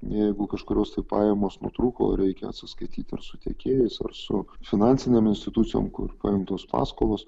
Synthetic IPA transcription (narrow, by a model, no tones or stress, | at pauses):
jɛɪɡʊkɐʃkʊɾʲoːst̪ɐɪpɑːjɛmoːsnṵɔt̪ɾuːko̰ːɾʲɛɪkʲɛɐ̰t̪sʲɪskɐɪt̪ʲiːt̪ʲɪ̰ɾsʊt̪ʲeːkʲeːjɛɪsɐ̰rsʊfʲɪnɑːnʲsʲɪnʲeːmɪnʲsʲt̪ʲɪt̪ʊt̪sʲɪjo̰ːmkʊ̰rpɐɪmt̪oːspɑ̰ːskoːlˠoːs